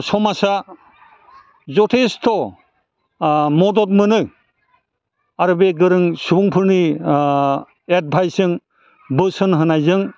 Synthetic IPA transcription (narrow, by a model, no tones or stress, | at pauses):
sɔmasa | zɔtʰestʰɔ | mɔdɔt̚mɯnɯ | aɾɯbeɡɯɾɯŋsubuŋpʰɯɾni | et̚bʱajsɯŋ | bɯsɯnɦɯnajzɯŋ